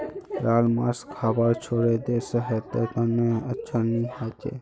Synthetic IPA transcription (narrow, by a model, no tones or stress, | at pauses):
ɾaːlma̰ːskʰaːbəɾt͡ʃʰoɾed̪esəɦet̪et̪əneətːʃʰaniɦat͡ʃʰḛ